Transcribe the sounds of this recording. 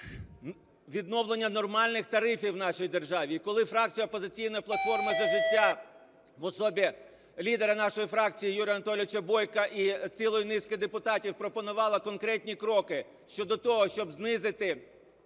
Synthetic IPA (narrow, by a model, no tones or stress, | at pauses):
ʋʲid̪nɔwlˠenʲːɐnɔrmɑlʲnɪxt̪ɐɾɪfʲiwnɑʃijid̪erʒɑʋʲikɔlˠɪfɾɑk̚t͡sʲijɐɔpɔzɪt͡sʲijnɔjiplˠɐt̪fɔrmɪzɐʒɪtʲːa | ʋɔsɔbʲi | lʲid̪eɾɐnɑʃɔjifɾɑkt͡sʲijijuɾʲjɐnɐt̪ɔlʲɪʋɪt͡ʃɐbɔjkɐʔit͡sʲilˠɔjʊnɪskɪd̪epʊt̪ɑtʲiwpɾɔpɔnʊʋɑlˠɐkɔnkɾɛtʲnʲikɾɔkɪ | ʃt͡ʃɔd̪ɔt̪ɔɦɔʃt͡ʃɔbznɪzɪt̪ɪ